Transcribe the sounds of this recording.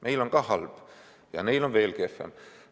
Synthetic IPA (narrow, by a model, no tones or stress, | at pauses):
mʔejloŋkɑːhɑlb̥ | jɑ̰neilo̞nve̞ːlkefːˑḛm